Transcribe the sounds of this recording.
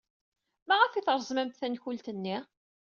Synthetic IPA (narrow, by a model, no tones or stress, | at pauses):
mæʁæfiθɾˤəzmæmt̪θænçult̪ənːi